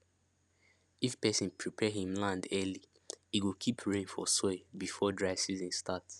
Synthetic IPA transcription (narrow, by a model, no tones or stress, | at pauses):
ifpɛsɔ̃npʰɹipʰɛɦĩmlãndɛli | hiwilkʰipʰɹẽnfɔsɔbifɔdɹaɪsizĩnstats